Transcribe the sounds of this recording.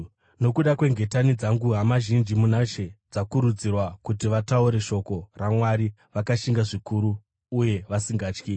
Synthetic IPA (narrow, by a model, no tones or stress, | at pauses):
no̞kuɗakwe̞ŋɡe̞tanid͡zaŋɡuɦamaʒind͡ʒimunaʃe̞d͡zakuɾud͡zirwakutiʋatauɾe̞ʃo̞ko̞ramwaɾi | ʋakaʃiŋɡaʐikuɾuː | je̞ʋasiŋɡaːt͡ʃki